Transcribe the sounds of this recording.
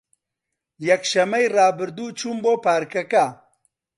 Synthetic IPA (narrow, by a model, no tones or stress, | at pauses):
jɛkʃɐmejrɑːbɨɾd̪uːt͡ʃʰuːmboːpʰaːɾkɐkɐ